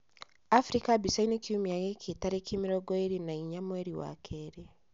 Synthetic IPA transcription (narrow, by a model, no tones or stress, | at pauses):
afɾikabisainekʰiumiaɣekʰitaɾekʰimiɾɔɡɔeɾinaiɲamwɛɾiwa̰kʰɛɾe